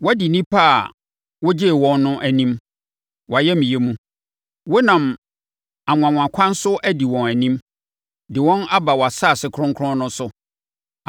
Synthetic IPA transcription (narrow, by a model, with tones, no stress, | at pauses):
wɔ˦di˨nĩ˦pʰa˦˨ | wʊ˦d͡ʑe˦˨wɔ̃˦nːʊ̃˦ʔæ˨nĩ˦m | wa˨jɛ˦mĩ˨je˦mũ˦ | wʊ˦nã˨m | a˨ŋʊ̃˨ã˨m̃ʷ˨ã˨kʷʰã˦n̩˦sʊ˦ʔæ˦di˨wɔ̃˨næ˨nĩ˦m | dɪ˨wɔ̃˦na˦ba˨wɔ˨a˨saː˦˨sɪ˨kʰɾʊ̃˦ŋkʰʊ˦ʊ̃˦nʊ̃˦sʊ˨